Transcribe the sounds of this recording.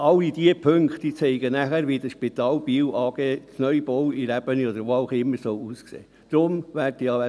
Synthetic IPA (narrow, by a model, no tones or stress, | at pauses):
ɑlːid̥̪iəpʰøŋkχt̪it͡sɛɪɡənæχæɾʋiːd̪əʃpit̪ɑːlbiːwʔɑːɡ̥eːt͡snœʏb̥ɔwiɾæb̥əniɔdəɾʋoalχɪmːəɾsɔwuːsksḛː | d̪̥ɾʊmʋæɾtijɑɛ